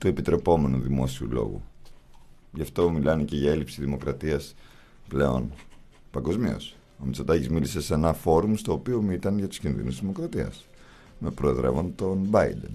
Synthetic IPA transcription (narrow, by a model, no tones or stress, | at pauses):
t̪ue̞pit̪ɾe̞po̞me̞nuðimo̞̰siṵlo̞̰ɣṵ | ʝɐft̪o̞milɐnece̞ʝɐe̞lipsiðimo̞kɾɐt̪iɐs | ple̞o̞̰n | pɐŋɡo̞zmio̞̰s | omit͡so̞d̪ɐcizmilise̞se̞nɐfo̞ɾumst̪o̞ːpio̞mit̪ɐnʝɐt̪u̥scinðḭnusiðimokɾɐt̪iɐ̰s | mepɾoe̞ðɾe̞̰vo̞nt̪o̞nbɐid̪e̞̰n